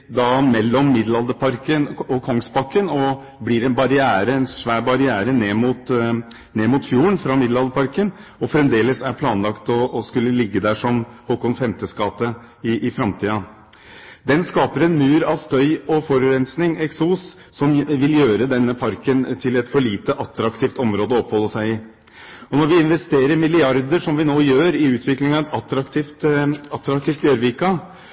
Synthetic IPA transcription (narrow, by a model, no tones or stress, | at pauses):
d̪ɑmɛlːɔmːɪd̪lɑld̪əpʰɑɾkənɔkʰɔŋst̪pʰɑkːənɔ | blɪɾɛnbɑɾɪæːɾəɛnʂʋæːbɑɾɪæːɾəneːmuːt̪ | neːmʊt̪fjuːəɳfɾɑmɪd̪lɑld̪əpʰɑɾkən | ɔfɾɛmd̪eːləsæɾpʰlɑːnlɑkt̪ɔːskʉlːəlɪɡːəd̪æːʂɔmhuːkɔŋfɛmt̪əskɑːt̪ə | ɪʔɪfɾɑmt̪ʰiːɑ | d̪ɛnskɑːpəɾɛnmʉːɾɑʋst̪œʏɔfɔɾʉɾɛnsnɪŋɛksuːsː | ɔmʋɪljøːɾəd̪ɛnːəpʰɑɾkənt̪ʰɪlɛt̪fɔɭiːt̪əʔɑt̪ːɾɑkt̪ʰiːft̪ɔmɾoːd̪əɔɔpːhɔlːəsæɪɪ | ɔnɔɾʋɪɪnʋɛst̪eːɾəɾmɪlɪɑɾd̪əʂɔmʋɪnoːjøːɾɪʉːt̪ʰʋɪklɪŋɑɛt̪ɑt̪ːɾɑkt̪ʰift̪ɑt̪ːɾɑkt̪iːft̪jøɾʋikɑ